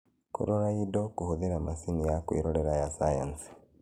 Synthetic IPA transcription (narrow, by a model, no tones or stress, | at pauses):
kṵɾoɾaidokuhuðiɾamasinijakwḭɾoleɾajasaja̰nsi̥